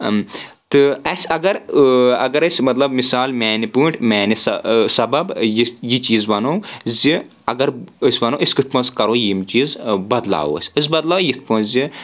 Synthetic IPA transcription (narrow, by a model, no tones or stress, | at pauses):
t̪ɨɐsʲɐɡɐɾɐ̰ɡɐɾɐsʲmɐt̪lɐbmisaːlmɛːnipuːɳʈʰmɛːnisɐsɐbɐbjijit͡ʃiːzʋɐnoːzi | ɐɡɐɾɨsʲʋɐnõʔisʲkɨt̪̚ʰpɐ̃nskɐɾoːjimt͡ʃiːzbɐd̪la̰ːwɐ̰sʲɨs̬ʲbɐd̪laːwjit̪̚ʰpɐ̃ːnzi